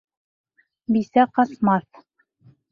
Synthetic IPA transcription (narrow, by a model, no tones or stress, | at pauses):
bisæqɑsmɑθ